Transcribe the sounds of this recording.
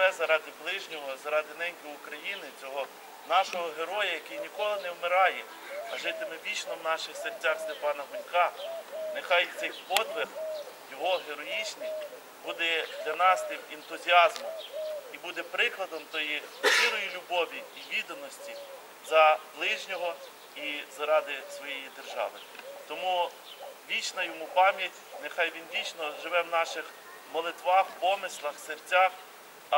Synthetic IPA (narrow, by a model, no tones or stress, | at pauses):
ɛzɐɾɑd̪ʲɪblˠɪʒnʲɔɦɔzɐɾɑd̪ɪnɛmɡʲiʊkɾɐjinɪt͡sʲɔɦɔ | nɑʃɔɦɔɦeɾɔjɐjɐkɪjnʲikɔlˠɪnɛwmɪɾɑjɛ | ɐʒɪt̪ɪmɪʋʲit͡ʃnɔwnɑʃɪxsertʲːaxst̪epɑnɐɦʊnʲkɑnexɑjt̪sɛjpɔd̪ʋex | jɔɦɔɦeɾɔjit͡ʃnij | bud̪ɛd̪̥lʲɐnɑst̪ɪmint̪ʊzʲiɑzmɔmibud̪ɛpɾɪklˠɐd̪ɔmt̪ɔjiʃiɾɔjilʲʊbɔʋʲiːʋʲid̪ɐnɔsʲtʲi | zɐblˠɪʒnʲɔɦɔ | izɐɾɑd̪ɪsʋɔjɛjid̪erʒɑ̰ʋɪ | t̪ɔmu | ʋʲit͡ʃnɐjɔmupɑmʲjɐtʲnexɑjʋʲinʋʲit͡ʃnɔʒɪʋɛwnɑʃɪx | mɔlˠɪt̪ʋɑxpɔmɪslˠɐxsert͡sʲɑx